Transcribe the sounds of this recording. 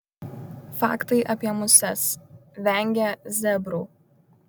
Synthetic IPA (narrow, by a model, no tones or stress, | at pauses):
fɑ̰ːkt̪ɐɪʔɐpʲiɛmʊsʲɛsʋʲɛˑŋʲɡʲɛzʲɛbɾuː